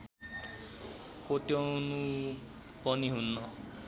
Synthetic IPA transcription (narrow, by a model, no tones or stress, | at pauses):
kot̪jɔnu | pʌniɦunːɔ